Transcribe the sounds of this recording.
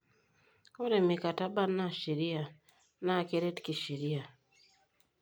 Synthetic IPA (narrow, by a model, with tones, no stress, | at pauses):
o˦ɾe˨mi˨ka˨ta˦ba˦na˦˨ʃi˨ɾi˦a˨ | na˦˨ke˦ɾe˦tki˨ʃi˨ɾi˦ja˨